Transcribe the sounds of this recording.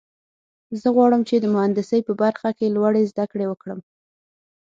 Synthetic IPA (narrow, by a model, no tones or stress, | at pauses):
zəɣwɑɽəmt͡ʃed̪əmʊand̪ɪsəjpəbaɾxakelwaɽezd̪akɽewəkɽəm